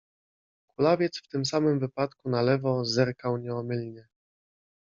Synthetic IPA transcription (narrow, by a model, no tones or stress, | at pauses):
kulavʲjɛt̪sft̪ɘmsamɘmvɘpat̪kunalɛvɔzɛɾkawɲɛɔmɘlɲɛ